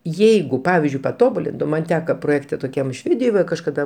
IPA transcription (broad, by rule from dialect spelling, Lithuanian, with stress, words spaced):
ˈjɛɪɡʊ ˈpɑːʋʲɪzʲd͡ʒʲʊɪ pɐˈtoːbʊlʲɪntʊm ˈmɐnʲ ˈtʲæːkɐ proːˈjeːktʲɛ toːˈkʲɛm ˈʃʲʋʲeːdʲɪjoːj ʋɐ kɐʃkɐˈdɐ